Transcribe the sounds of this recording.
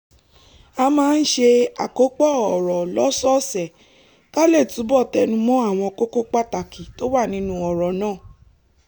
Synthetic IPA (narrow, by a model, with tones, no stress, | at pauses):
a˧mãː˦˧n̩˦ʃe˧a˨ko˨˦k͡pɔ˦˨ɔ˨ɾɔ˨lɔ˨˦sɔ˦sɛ˨ | ka˦le˦˨tu˨˦bɔ˦˨tɛ˧nũ˧mɔ̃˦a˦˨w̃ɔ̃˧ko˦ko˦k͡pa˦˨ta˨ki˨to˨˦wa˦˨nĩ˧˦nũ˧ɔ˨ɾɔ˨nãː˦˨